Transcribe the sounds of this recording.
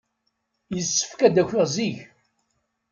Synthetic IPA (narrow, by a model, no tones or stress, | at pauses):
jəsːə̥fkæd̪æçiʁziç